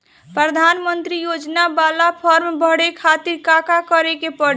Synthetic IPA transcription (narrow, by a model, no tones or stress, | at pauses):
pɾəd̪ʱanmənt̪ɾijod͡ʒnabalapʰəɾmbʱəɽekʰat̪iɾkakakəɾekepəɽ